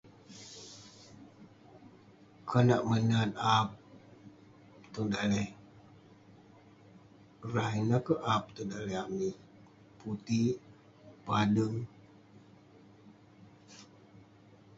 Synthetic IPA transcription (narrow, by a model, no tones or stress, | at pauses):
kʰənaʔmənanap̚ | t̪undaleh | raɦinakəʔap̚t̪undalɛami | put̪i | padəŋ